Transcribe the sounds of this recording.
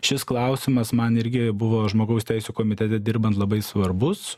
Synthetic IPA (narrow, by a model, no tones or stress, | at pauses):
ʃʲɪsklˠɐʊsʲɪmɐsmɐnɪɾʲɡʲɪbʊʋoːʒmoːɡɐʊsʲt̪ʲɛɪsʲuːkoːmʲɪt̪ʲɛt̪ʲɛd̪ʲɪɾbɐnt̪lˠɐbɐɪsʋɐɾbʊs